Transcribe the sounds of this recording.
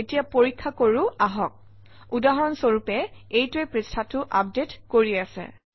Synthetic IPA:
etijapoɹikʰːakoɹuaɦɔk̚ | udaɦɔɹɔnsoɹupɛejtuejpɹistʰatʊʔap̚detkoɹiasɛ̰

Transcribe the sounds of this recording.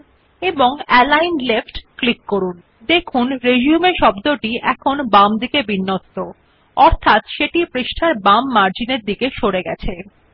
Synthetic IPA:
eboŋɛlajnlefʈklikːoɾun | d̪ekʰunɾed͡ʑiumeʃɔbd̪oʈiʔɛkʰonbamd̪ikebinːot̪ːo | ɔɾt̪ʰat̪ʃeʈipɾeʃʈʰaɾbamːaɾd͡ʑineɾd̪ikeʃoɽeɡɛt͡ɕʰe

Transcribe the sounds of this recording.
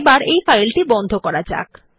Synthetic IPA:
baɾejfajlʈibɔnd̪ʱokɔɾad͡ʑa̰k

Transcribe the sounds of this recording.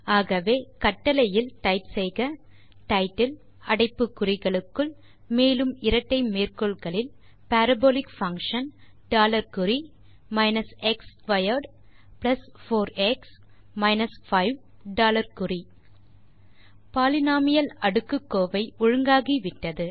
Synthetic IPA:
aːɣɐʋeːkɐʈːɐlɐjɪlʈɐɪʈsɛɪɣɐ | ʈɐɪʈːɪl | ɐɽɐɪpːɯkːʊrɪɣɐɭɯkːɯɭ | meːlɯmɪɾɐʈːɐɪmeːrkɔɭɣɐɭɪl | pæːɾɐboːlɪkfɐŋkʂɐn | ɖaːlɐɾkɯɾi | mɐɪnɐsɛksʋɐjɐɾɖ | plɐsfoːɾɛks | mɐɪnɐsfɐɪʋ | ɖaːlɐɾkʊri | paːlɪnaːmɪjɐlɐɽɯkːɯkːoːʋɐɪʔʊɻɯŋɡaːɣiʋɪʈːɐðɯ

